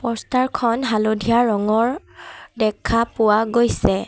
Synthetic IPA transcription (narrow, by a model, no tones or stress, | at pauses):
pɔstaɹkʰɔnɦalodʱijaɹɔŋɔɹ | dɛkʰapʊwaɡojsɛ